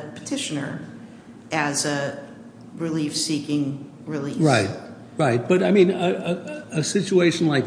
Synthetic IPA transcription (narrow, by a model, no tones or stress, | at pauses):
pʰɨ̥tʰɪʃɨnə̰˞ | ɨzɨ | ɹɨlifsikɪ̃ŋ | ɹɪliɹaɪt̚ | ɹaɪt̚b̥ʌɾaɪmĩnəəɨsɪt͡ʃueɪʃn̩laɪk̚